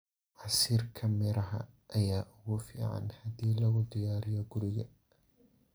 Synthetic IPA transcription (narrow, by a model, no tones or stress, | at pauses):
ʕɑsiːrkʰɐmɪɾɐɦɐ̰ʔɐjaːʔʊɣʊfḭːʕɑ̰nhɐd̪iːlɐɣʊd̪ɪjaːɾɪjɔɡʊɾɪɣɐ